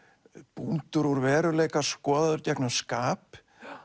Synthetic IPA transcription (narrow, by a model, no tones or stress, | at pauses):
punt̪ʏɾɔɾvɛːɾʏleːjkḁskɔːðaðʏɾcɛknaskaːp